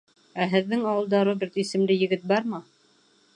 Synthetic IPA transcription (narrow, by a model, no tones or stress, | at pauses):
æɦɘ̆ðːɘŋɑwɤ̆lˠd̪ɑɾɤb̪ɘɾt̪isɘ̆mlɘjɘ̆ɡɘt̪̚bɑɾmɑ